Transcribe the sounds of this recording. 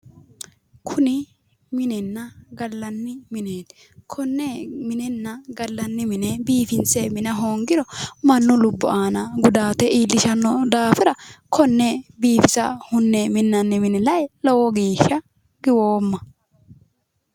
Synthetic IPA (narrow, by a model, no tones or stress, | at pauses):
kʰʊnɪ | mɪnɛnːɐɡɐlːɐnːɪmɪneːt̪ | kʰɔnːɛmɪnɛnːɐɡɐlːɐnːɪmɪnɛbiːfɪnt͡sɛmɪnɐɦoːŋɡɪɾɔmɐnːʊlʊbːʊʔaːnɐɡʊd̪aːt̪ɛʔiːlːɪʃɐnːɔd̪aːfɪɾɐkʰɔnːɛbiːfɪzɐ̰hʊnːɛmɪnːɐnːɪmɪnɪlɐjlɔwɔɡiːʃːɐ | ɡɪwoːmːɐ